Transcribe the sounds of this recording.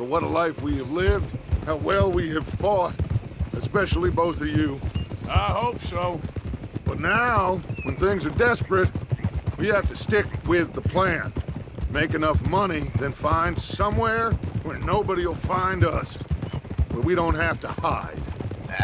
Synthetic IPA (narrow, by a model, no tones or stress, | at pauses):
bət̚wʌɾəlaɪfwiɨvlɪvd̥̚haʊwɛlˠwiɨv̥fɔɾɨspɛʃl̩ˠiboʊθʌvjʉaɪhoʊpsoʊb̥ʌtⁿnaʊwə̃nθɪ̃ŋzə˞dɛspɹɨt̚wihæftɨstɪkwɪðəpʰl̥æ̃nmeɪkɨnʌfmʌñiðɨ̃nfãɪ̃nd̥sʌ̃mwɛɹwə˞noʊbɨɾiwl̩ˠfãɪ̃ndʌs | b̥ʌt̚wiɾõʊ̃nt̚hæftəhaɪd̥